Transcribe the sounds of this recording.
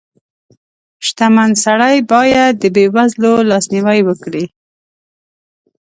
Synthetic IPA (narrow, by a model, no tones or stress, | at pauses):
ʃt̪amansaɽajbɑjad̪̚ːəbewazlolɑsniwajwəkɽi